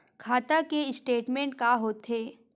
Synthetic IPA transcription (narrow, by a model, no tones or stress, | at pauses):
kʰaːt̪akeɪsʈeːʈmẽɳʈ̚kaɦoːt̪eː